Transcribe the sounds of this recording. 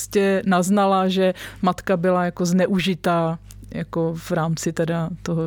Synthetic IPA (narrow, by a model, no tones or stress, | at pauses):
scɛnaznalaʒɛmat̪kabɪlajakoznɛʔuʒɪt̪aː | jakovɾaːmt͡sɪt̪ɛdat̪oɦo